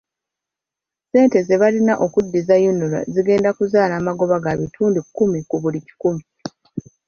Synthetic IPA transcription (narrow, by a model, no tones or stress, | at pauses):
se̞ːnte̞ze̞βalinaʔo̞kudːizajunula̰ziɡe̞ːndakuzaːlaːmaɡo̞βaɡaβitʰuːndikːumikuβulici̥kumi